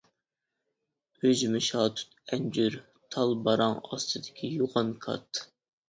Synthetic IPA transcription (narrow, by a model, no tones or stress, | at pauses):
øzɪmɪʃɑːt̪ʰu̥t̪ɛnd͡ʒyɾ | t̪ʰɑlˠbɑɾɑŋɑ̰st̪ʰɨd̪ɪkʲʰijoʁɑnkʰɑ̰t̪